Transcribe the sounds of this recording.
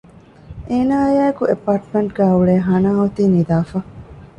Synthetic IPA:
eːnaːjaːekuʔepːaːɾʈmẽɳʈɡæːuɭeːɦɐnaːɦot̪iːnid̪aːfɐ

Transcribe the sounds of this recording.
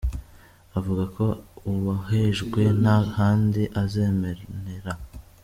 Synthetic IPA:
avuɡako̞uβaheʒɡwe̞nahaːndiʔaze̞ːmeneɾa

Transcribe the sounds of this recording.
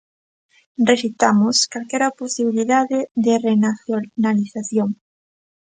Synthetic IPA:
rresit̪amʊskalkɛɾaposiβiliðaðeðɪrenaθjonaliθaθjoŋ

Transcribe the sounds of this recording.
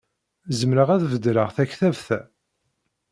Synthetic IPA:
zəmɾəʁæðvəd̪ɾəʁθæçθævθæ

